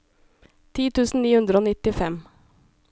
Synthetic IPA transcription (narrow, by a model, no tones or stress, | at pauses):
t̪ʰiːt̪ʰʉːsn̩niːhʉnd̪ɾəoːnɪt̪ɪfɛm